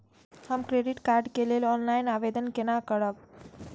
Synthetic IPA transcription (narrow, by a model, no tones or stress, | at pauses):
həmkɾeɖiʈkaɾɖkelelɔnlajnabed̪ənkenakəɾək̚